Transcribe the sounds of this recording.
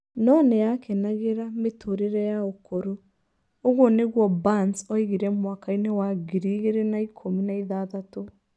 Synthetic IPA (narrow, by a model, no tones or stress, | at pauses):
nɔnɛjakʰɛnaɣeɾametʰoɾeɾɛjaokoɾoː | ɣoneɣwɔbansɔiɣiɾɛmwakainewaɡiɾiɣeɾenaikʰominaiðaðato